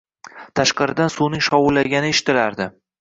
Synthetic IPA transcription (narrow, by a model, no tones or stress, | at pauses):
t̪ʰaʃqɨɾɪd̪ansunɪŋʃɒwʊlːaɡʲanɪeʃɪ̥t̪ɪlaɾd̪ɪ